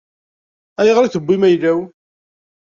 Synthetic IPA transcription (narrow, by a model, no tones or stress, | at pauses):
æjəʁɾiθəbːimæjlæw